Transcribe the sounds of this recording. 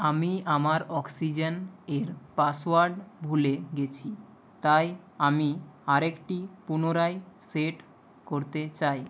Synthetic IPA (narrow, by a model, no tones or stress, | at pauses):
amiamaɾɔksid͡ʑeneɾpaswaɾɖbʱuleɡet͡ɕʰi | t̪aj | amiaɾekʈipunoɾajseʈ | koɾt̪et͡ɕaj